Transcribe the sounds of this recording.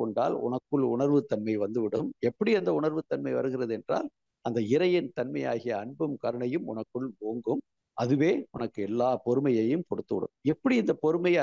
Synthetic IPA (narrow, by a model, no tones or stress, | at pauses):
ɔɳɖa̰ːlʊ̰nɐkːɯɭʊ̰ɳɐɾʋɯt̪ːɐnmɐɪʋɐnd̪ɯʋɪɽɯmɛpːɐɽiɐnd̪ɐʊɳɐɾʋɯt̪ːɐnmɐɪʋɐ̰ɾɯɣɪɾɐðɯɛndra̰ːl | ɐnd̪ɐɪɾɐjɪnt̪ɐnmɐjaːɣɪjɐːɳbɯmkɐɾɐɳɐjɯmʊ̰nɐkːɯɭʋoːŋɡɯm | ʔɐðɯʋeːʊnɐkːɯɛlːaːpɔɾɯmɐjɐjɯmkɔɽɯt̪ːɯʋɪ̰ɽɯ̰mɛpːɐɽiɪnd̪ɐpɔɾɯmɐj